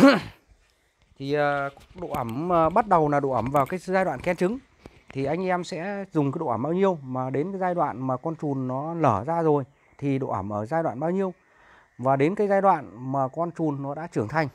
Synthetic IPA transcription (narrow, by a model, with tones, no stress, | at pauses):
t̪ʰi˨˩əː˨˩ɗo̰˧˨ʔə˧˩məː˨˩ɓa˦˥t̚ɗə˨˩wlaː˨˩ɗo̰˧˨ʔə˧˩mvaː˨˩wkaː˨˦jzaː˧jɗwa̰ː˧˨kɛ˧nt͡ɕɨ˨˦ŋ | t̪ʰi˨˩ʔa˧jŋ̟ʔɛ˧msɛ̰˧˥zʊ˨˩ŋ͡mkaː˨˦jɗo̰˧˨˧mɓaː˧wɲi˧əwmaː˨˩ɗe˨˦nkaː˨˦jzaː˧jɗwa̰ː˧˨nmaː˨˩kɔ˧nt͡ɕu˨˩nːɔ˨˦ləː˧˩zaː˧zo˨˩j | t̪ʰi˨˩ɗo̰˧˨ʔə˧˩mʔəː˧˩zaː˧jɗwa̰ː˧˨nɓaː˧wɲi˧əw | vaː˨˩ɗe˨˦nkaː˨˦jzaː˧jɗwa̰ː˧˨nmaː˨˩kɔ˧nt͡ɕu˨˩nːɔ˨˦ɗa̰ː˧˥t͡ɕɨ˧˩əŋt̪ʰa˧jŋ̟